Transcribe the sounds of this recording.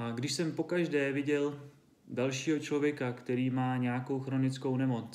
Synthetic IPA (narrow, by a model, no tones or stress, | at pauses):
aɡdɪʃsɛmpo̞kaʒdɛːvɪɟɛl | dalʃiːɦo̞t͡ʃlo̞vjɛkakt̪ɛɾiːmaːɲɛjako̞wxɾo̞nɪt͡sko̞wnɛmo̞t͡s